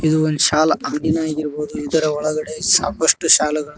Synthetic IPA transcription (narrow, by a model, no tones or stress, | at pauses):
id̪uond̪uʃaːlɐɐŋɡinaːɡiɾboːd̪uid̪ɐɾɐɔɭɐɡɐɽe̞sa̰ːkɐʂʈuʃaːlɛɡɐɭu